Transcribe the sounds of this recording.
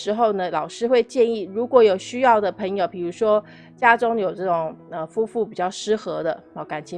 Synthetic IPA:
ɻ̩˧˥xo˥˩ʊnə˩lɑ˨˩ʊʂɻ̩˥xwe˥˧ɪt͡ɕjɛ˥˧ni˥˩ɻu˧˥kwɔ˧˥jo˨˩ʊɕy˥jɑ˥˩ʊd̪ə˩pʰɤ˧˥ŋjo˨˧˩ʊpi˨˩ɻu˧˥ʂwɔ˥ | t͡ɕja˥ʈ͡ʂʊ˥ŋjo˨˩ʊʈ͡ʂɤ˥˩ʈ͡ʂʊ˨˩ŋə˧˩fu˥fu˥˩pi˨˩t͡ɕjɑ˥˩ʊʂɻ̩˥xɤ˧˥d̪ə˧˩ka˨˩nt͡ɕʰjɛ˧˦˥

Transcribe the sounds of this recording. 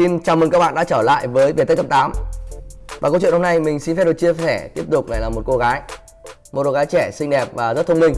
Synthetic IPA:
i˧nt͡ɕaː˨˩m˨˩kaː˦˥k̚ɓa̰ː˧˨ɗa̰˧˥t͡ɕəː˧˩la̰ː˧˨jvəː˨˦jve˨˩t̪ə˦˥kə˧˥pt̪aː˨˦m | vaː˨˩ko˧t͡ɕw̰ho˧mna˧jmï˨˩ŋ̟si˧fɛ˦˥ɗɨ˨˩t͡ɕi˧əfɛ˧˩t̪i˦˥əp̚t̪ʊ˨˩k͡p̚na˨˩jlaː˨˩mo˨˩t̚ko˧ɣaː˨˦j | mo˨˩ko˧ɣaː˨˦jt͡ɕɛ˧˩sï˧ŋɗɛ˨˩p̚vaː˨˩zə˦˥t̚t̪ʰə˧ŋ͡mmï˧˩ŋ̟

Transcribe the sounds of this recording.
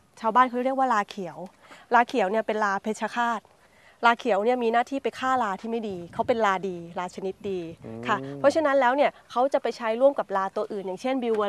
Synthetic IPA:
t͡ɕʰaː˧wbaː˥˩nkʰa˦˥˩ɾi˥˩ək̚waː˥˩laː˧kʰi˨˩˦əw | laː˧kʰi˨˩˦wni˥˩ɐpe˧nlaː˧pʰe˧˦˥t̚t͡ɕʰa˧kʰaː˥˩t̪̚ | laː˧kʰi˨˩˦wni˥˩ɐmiː˧naː˥˩t̪ʰiː˥˩pa˧jkʰaː˥˩laː˧t̪ʰiː˥˩ma˥˩jdiː˧kʰa˦˥wpe˧nlaː˧diː˧laː˧t͡ɕʰa˧ni˦˥t̪̚diː˧kʰa˥˩pʰɔ˦˥t͡ɕʰa˧na˦˥nlɛː˦˥wni˥˩ɐkʰa˦˥wt͡ɕa˨˩pa˧jt͡ɕʰa˦˥jɾu˥˩əmka˨˩p̚laː˧t̪u˧ɐʔɯː˨˩njaː˨˩ŋt͡ɕʰe˥˩nbi˧wə˧˦

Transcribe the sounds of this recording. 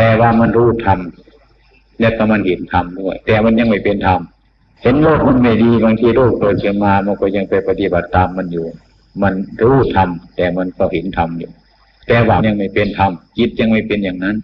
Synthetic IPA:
t̪ɛː˧waː˧ma˧˥˨nɾuː˧˩t̪ʰa˧m | lɛ˧˩ka˧˩ma˧˥˨nhe˨˦nt̪ʰa˧mdu˧˥˩ɐjt̪ɛː˧˩ma˧˥˨nɲa˧ŋma˧˩jpe˧˨nt̪ʰa˧m | he˨˧˦nloː˥˧˩k̚ma˧˥˨nma˧˩jdiː˧baː˧ŋt̪ʰiː˧loː˧˩k̚toː˧˩kʰɯ˧˨nmaː˧ma˧˨nkɔː˧˩˨ɲa˧ŋpa˧˩jpa˧t̪i˧ba˨˩t̪ːaː˨˧mːa˧˥˨njuː˨˧ | ma˧˥˨nɾuː˧˥˩t̪ʰa˧mt̪ɛː˨˩ma˧˥˨nkɔ˧˩he˨˦nt̪ʰa˧mjuː˧ | t̪ɛː˧waː˧˨nɲa˧ŋma˧˩jpe˧˨nt̪ʰa˧mki˧˦t̪̚ɲa˧ŋma˧˩˨pe˧˨njaː˨ŋna˧˥˨n

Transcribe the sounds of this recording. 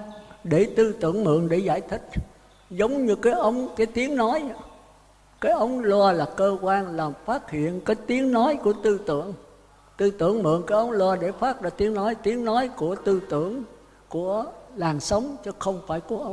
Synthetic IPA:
ɗe˧˩t̪ɨ˧t̪ɨ̰˧˩˨əŋmɨ̰˧˨əŋɗe˧˩zaː˧˩jt̪ʰï˦˥k̟̚ | zə˨˦wŋ͡mɲɨ˧kaː˨˦jʔə˧wŋ͡mkaː˨˦jt̪i˨˦əŋnɔ˨˦j | kaː˨˦jʔə˨˦wŋ͡mlwaː˧laː˨˩kəː˧kwaː˧nlaː˨˩mfaː˦˥t̚hḭ˧˨ənkaː˨˦jt̪i˨˦əŋnɔ˨˦jku˧˩ət̪ɨ˧t̪ɨ̰˧˨əŋ | t̪ɨ˧t̪ɨ̰˧˩əŋmɨ̰˧˨ənŋkaː˨˦jʔə˨˦wŋ͡mlwaː˧ɗe˧˩faː˦˥t̚ɗaː˧˩t̪i˨˦ənɔ˨˦jt̪i˨˦əŋnɔ˨˦jku˧˩ət̪ɨ˧t̪ɨ˧˩˨əŋ | ku˧˩əlaː˨˩nsə˨˦wŋ͡mt͡ɕɔ˨˦xə˧wŋ͡mfa̰ː˧˩jku˧˩əʔə˧w

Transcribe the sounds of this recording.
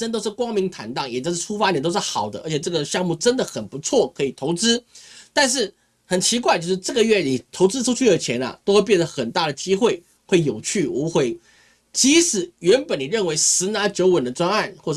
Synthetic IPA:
ə˥nt̪̬o˥ʊʂɻ̩˥˩kwɑ˥ŋmi˧˥ŋt̪ʰa˧˥nt̪ɑ˥˩ŋjɛ˨˩o˥˧ʂ̩˥˧˩ʈ͡ʂʰu˥fa˥n˨˩t̪o˥ʊʂɻ̩˥˩xɑ˨˩ʊd̪ə˦ʔə̰˞˧˥t͡ɕʰjɛ˨˩ʈ͡ʂɤ˥˩ɡə˨ɕjɑ˥˧ŋmu˥˩ʈ͡ʂə˥nd̪ə˨xə˨˩npu˧˥t͡sʰwɔ˥˩kʰɤ˧˥i˨˩t̪ʰo˧˥ʊt͡sɹ̩˥t̪a˥˧nʂ̬ɻ̩˥˩ | xə˨˩nt͡ɕʰi˧˥k̬wa˥˧ɪt͡ɕjo˥˧ʊʂɻ̩˥˧ʈ͡ʂɤ˥˩ɡə˨ɥɛ˥˩ni˨˩t̪ʰo˧˥ʊt͡sɹ̩˥ʈ͡ʂʰu˥t͡ɕʰu˥˩ə˧˥˩t͡ɕʰjɛ˧˥nɐ̰˧t̪o˥ʊxwe˥˧pjɛ˥˩nd̪ə˩xə˨˩nt̪a˥˩d̪ə˩t͡ɕi˥xwe˥˩ɪ | xwe˥˩ɪjo˨˩ʊt͡ɕʰy˥˩u˧˥xwe˧˥ɪ | t͡ɕi˧˥sɹ̩˨˩ɥɛ˧˥npə˨˥ni˨˩ɻə˥˩nwe˧˥ɪsɹ̩˧˥na˧˥t͡ɕjo˧˥ʊwə˨˩nd̪ə˦t͡swa˥ŋa˥˩nxwɔ˥˩˥

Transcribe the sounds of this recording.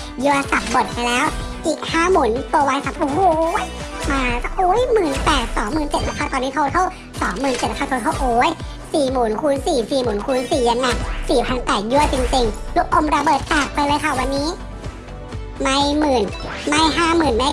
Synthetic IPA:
ju˧ɐ˧sa˨˩p̚bo˨˩t̪̚ka˧jlɛː˦˥w | ʔiː˨˩k̚haː˧˩˨mu˨˩˦nt̪u˧waː˧nsa˨˩p̚ʔoː˧˦j | maː˧ka˧˩ʔoː˨˦jmɯː˨˩npɛː˨˩t̪̚sɔː˨˦ŋmɯː˨˩nt͡ɕe˨˩t̪̚la˧kʰaː˧˥˩t̪ɔ˧niː˦˥˧tʰa˧t̪ʰa˧˥˩w | sɔː˩˦ŋmɯː˨˩nte˨˩a˧aː˥˩t̪ʰːt̪ʰa˧˥˩ʔoː˨˦j | siː˨˩muː˨˩˦nkʰuː˧˥˦nsiː˨˩siː˨˩muː˩˦nkʰuː˧˦nsiː˨˩ja˧˦nːa˧˩siː˨˩pʰa˧˥nt̪ɛː˨˩ju˧ət͡ɕi˧ŋt͡ɕi˧ŋlu˦˥kʰːo˧˨mɾa˧bɤː˨˩t̪̚t͡ɕaː˨˩k̚pa˧jlɤː˧˦jkʰa˧˩wa˧nːiː˦˥˨ | ma˧˥˨jmɯː˨˩n | ma˧˨jɦaː˧˥˩mɯː˨˩nma˧˥

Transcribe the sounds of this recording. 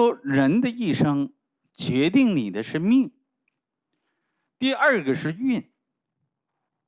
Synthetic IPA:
ɔ˥ɻə˧˥nd̪ə˧i˥˩ʂɤ˥ŋ | t͡ɕɥɛ˧˥t̪i˥˩ŋni˨˩d̪ə˦ʂə˥nmi˥˩ŋ | t̪i˥˧ɐ˞˥˧ɡə˩ʂɻ̩˥˧y˥˩n

